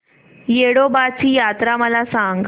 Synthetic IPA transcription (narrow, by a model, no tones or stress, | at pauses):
jeɽobat͡ɕiːjat̪ɾaməlasãŋɡ